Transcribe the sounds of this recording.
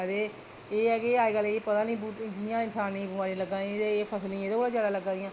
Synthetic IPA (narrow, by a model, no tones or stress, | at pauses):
əd̪eː | eːɛːkeaːiɡəleːpət̪ãːnĩːbuːd͡ʒijãːɪnsaːnːĩːbəmaːɾiːləɡãːit̪eːpʰəsəlnĩːeːd̪oːbəlaːzjaːd̪aːləɡːãːd̪ɪjãː